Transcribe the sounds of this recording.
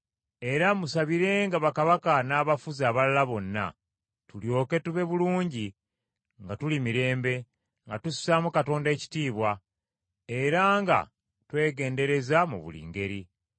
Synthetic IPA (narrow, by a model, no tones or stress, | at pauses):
e̞ɾamusaβiɾe̞ŋɡaβakaβakanaːβafuzaːβalalaβo̞nːa̰ | tuljo̞ːke̞tuβe̞βuluːɲɟi | ŋɡatulimiɾe̞ːmbe̞ | ŋɡatussamukato̞ːnde̞ːci̥tiːβwa | e̞ɾaŋɡa̰ | twe̞ːɡe̞ːnde̞ɾe̞zamṵβṵlḭːŋɡe̞ɾi